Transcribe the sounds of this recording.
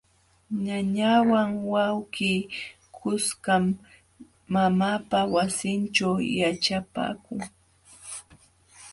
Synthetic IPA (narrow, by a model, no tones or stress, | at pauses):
ɲaɲawaŋwawɢiː | kʰʊskamː | amapawasɪnt͡ʃawjaʈ͡ʂapa̰ːkʊŋ